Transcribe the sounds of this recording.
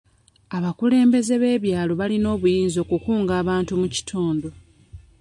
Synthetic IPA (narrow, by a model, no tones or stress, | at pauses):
aβakule̞ːmbe̞ze̞βe̞ːβjaːlo̞βalino̞ːβujiːnzo̞ːkukuːŋɡaːβaːntumuci̥tʰoːndo̞